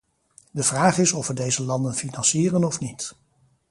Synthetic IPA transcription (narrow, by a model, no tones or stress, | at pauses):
dəvraːχɪsɔfʋədejzəlɑndənfinɑnsiːrənɔfnit